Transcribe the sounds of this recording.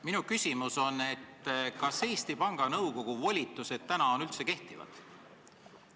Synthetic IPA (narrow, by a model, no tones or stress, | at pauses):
minukysʲimuso̞nːe̞t̪ːˑkɑse̞ːst̪ipɑŋɡ̥ɑnɤwko̞ɡ̥uvolʲit̪ːˑuse̞d̪̥̚t̪ænɑo̞nylt̪se̞ke̞ht̪ivɑ̰d̪̥